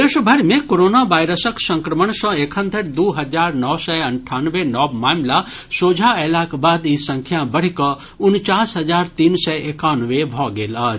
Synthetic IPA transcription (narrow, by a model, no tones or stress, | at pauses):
eʃbʱɐɾmẽkoɾoːnaʋaːjɾəsəksə̃ŋkɾəməɳ̃sɔ̃ːekʰə̃nd̪ʱəɾd̪uːɦɐd͡ʒaːɾnɔːsɛɐɳʈʰaːnʋenɔːbmaːmla | soːd͡ʒʱaɛlaːkbaːd̪isɐ̃ŋkʰjabəɽ̤ikɔ | ʊnt͡ʃaːsɦɐzaːɾt̪iːnsɛeːkaːnʋebʱɔːɡeːlaː